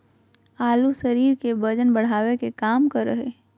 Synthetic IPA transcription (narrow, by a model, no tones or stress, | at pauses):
aːlusəɾiːɾkebəd͡ʒənbəɽ̤aːwekekaːmkəɾːəɦe